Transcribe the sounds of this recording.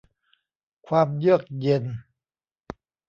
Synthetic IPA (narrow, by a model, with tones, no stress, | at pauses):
kʰwaː˧mjɯ˥˩ək̚je˧n